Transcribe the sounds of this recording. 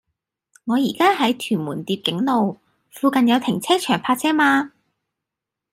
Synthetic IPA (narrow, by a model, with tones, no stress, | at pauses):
ŋɔː˨˧jiː˨˩kaː˥ɦɐ˨˥jt̪ʰyː˨˩nmuː˨˩nt̪iː˧p̚kɪ˨˥ŋlo˨w | fuː˧kɐ˨njɐ˨˧wt̪ʰɪ˨˩ŋt͡sʰɛː˥t͡ʃʰœː˨˩ŋpʰaː˧t̚t͡sʰɛː˥maː˧